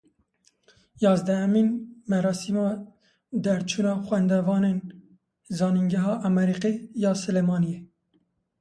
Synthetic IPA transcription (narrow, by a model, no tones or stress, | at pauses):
jɑːzd̪ɛɛminmɛɾɑːsiːmɑː | d̪ɛɾt͡ʃʰuːnɑːxwɛnd̪ɛvɑːneːn | zɑːniŋɡɛɦɑːʔæmɛɾiːqijɑːsɨleːmɑːnije